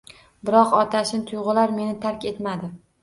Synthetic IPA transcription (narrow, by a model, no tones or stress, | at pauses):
bɪɾɒqɒt̪ʰaʃɪnt̪ʰʊjʁɨlaɾme̞nɪt̪ʰaɾkʲe̞t̪mad̪ɪ